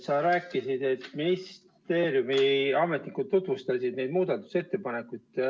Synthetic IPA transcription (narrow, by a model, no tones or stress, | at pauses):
sɑɾæːkːˑisid̪̥e̞t̪ːˑminis | t̪e̞ːɾjumiɑme̞t̪nikud̪̚t̪ːut̪vust̪ɑsid̪nejd̪̥muːd̪ɑt̪ːˑu̥se̞t̪ːe̞pɑne̞kːˑujd̪̥